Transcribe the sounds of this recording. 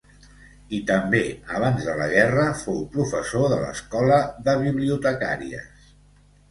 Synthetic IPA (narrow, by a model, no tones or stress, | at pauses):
it̪əmbeəβ̞anzðələɣɛrəfowpɾufəsoðələ̰skɔləðəβiβliut̪əka̰ɾiə̰s